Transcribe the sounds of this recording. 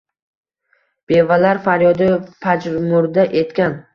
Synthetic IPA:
b̥e̞valaɾfaɾjɒd̪ɪpʰad͡ʒɾmʊɾd̪aʔe̞t̪kʲan

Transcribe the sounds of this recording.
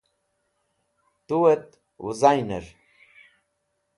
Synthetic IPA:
t̪uwet̪ | wṵzajneɾ

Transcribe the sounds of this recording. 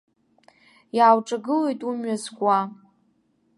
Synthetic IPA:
jaːwʈ͡ʂʼaɡɨlejtʼumɥazɡʷʼa

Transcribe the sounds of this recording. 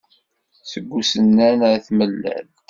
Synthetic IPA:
səɡʷːusənːænθməlːæ̰l

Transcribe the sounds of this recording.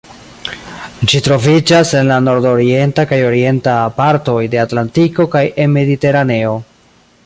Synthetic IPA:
d͡ʒitɾo̞vid͡ʒase̞nlano̞ɾdo̞ɾie̞ntakajo̞ɾie̞ntapaɾto̞jde̞atlantiko̞kajʔe̞nme̞dite̞ɾane̞o̞

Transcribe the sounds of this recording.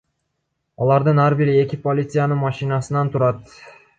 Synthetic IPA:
ɑlˠɑɾd̪ɯnɑɾbiɾie̞kʲipolʲit̪sɨjanɯmɑʃinɑsɯnɑnt̪ʰuɾɑt̪

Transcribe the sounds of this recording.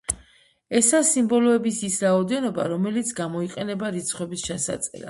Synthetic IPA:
ɛsasimbɔlɔɛbisisɾaɔd̪ɛnɔba̰ɾɔmɛlit̪sʰɡamɔiqʼɛnɛbaɾit̪sʰχwɛbist͡ʃʰasa̰t̪sʼɛ̰ɾa

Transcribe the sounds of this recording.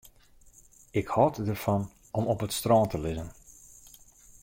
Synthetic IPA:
ɪkhɔːtdərfɑn | ɔmɔpətstrɔːntəlɪzən

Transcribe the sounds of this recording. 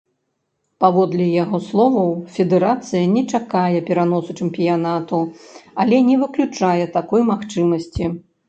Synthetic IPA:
pavɔd̪lʲɛjaɣɔslˠɔvɐwfʲɛd̪ɛɾat̪sɨjɐnʲɛt͡ʂakajɛpʲɛɾanɔsut͡ʂɨmpʲijanat̪uɐlʲɛnʲɛvɨklʲut͡ʂajɛt̪akɔjmaxt͡ʂɨmɐsʲt͡sʲi

